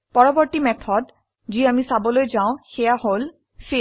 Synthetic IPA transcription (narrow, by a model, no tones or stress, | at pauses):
pɔɹɔbɔɹt̪imɛkʰɔd | d͡ʑiamisabɔlojd͡ʑaʊ̃xejahol | fe